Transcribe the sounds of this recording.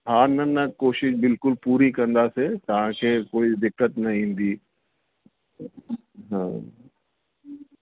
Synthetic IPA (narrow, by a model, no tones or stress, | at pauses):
ɦaːnɐnɐkoːʃɪʃbɪlkʊlpuːɾikɐ̃nd̪aset̪ɐʋ̤ãkʰeːkoːid̪ɪkːət̪nɐĩːnd̪iː | ɦãː